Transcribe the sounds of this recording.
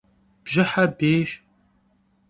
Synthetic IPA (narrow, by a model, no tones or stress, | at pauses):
b̥ʒɪħabeːʃ